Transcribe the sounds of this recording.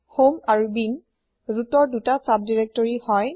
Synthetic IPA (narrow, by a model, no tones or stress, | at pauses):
homaɹubin | zutɔɹdutasab̚diɹɛk̚tɔɹihɔj